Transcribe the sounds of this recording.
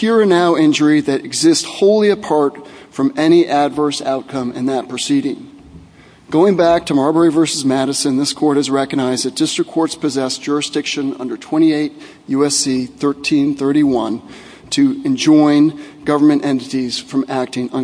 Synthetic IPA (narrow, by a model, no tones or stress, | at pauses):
hiɹɨnaʊɪ̃nd͡ʒə˞iðɨɾɨɡzɪsthoʊlˠiɨpʰɑɹtfɹʌ̃mɛɾ̃iʔɨdvɜ˞sa̰ʊt̚kʰʌ̃mɨ̰̃nðɨt̚pʰɹ̥ɨsiɾɪ̃ŋ | ɡ̥oʊɪ̃ŋbæk̚tʰɨmɑɹbɛɹivɜ˞sɨzmæɾɨsɨ̃nðɪskʰɔɹɾɨzɹɛkɨɡ̚naɪzðɨt̚d̥ɪstɹ̥ɨkʰːɔɹtspɨzɛsd̥ʒ̥ʊɹɨsd̥ɪkʃɨ̃nʌ̰̃ndə˞tʰw̥ɛ̃ɾ̃ieɪt̚ | jʉɛsiθɜ˞tʰĩnθɜ˞ɾiwʌ̃n | tʰɨɨ̃nd͡ʒɔ̃ɪ̃nɡ̥ʌvə˞mɨ̃ñʔɛ̃ntɨɾiz̥fɹʌ̃mæk̚tɪ̃ŋʌ̃